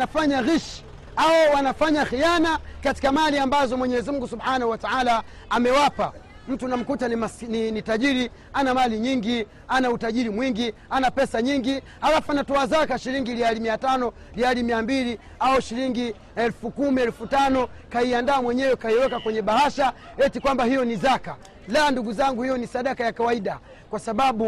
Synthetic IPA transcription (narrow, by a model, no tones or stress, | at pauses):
afaɲaɣiʃ | aɔwanafaɲaxijanakati̥kamaliambazɔmwɛɲɛzimuŋɡusubħanahuwataalaː | mɛwapa | m̩tunam̩kutanasninitaʄiɾi | anamaliɲiŋɡi | anautaʄiɾimwiŋɡianapɛsaɲiŋɡi | alafuanatɔazakaʃiɾiŋɡilialimiatanɔ | lialimiambili | aɔʃiɾiŋɡi | ɛlfukumiɛlufutanɔkaiandaːmwɛɲɛwɛkaiwɛkakwɛɲɛɓahaʃa | ɛtikwambahijɔnizaka | landuɡuzaŋɡuhijɔnisaɗakajakawaiɗa | kwasaɓaɓu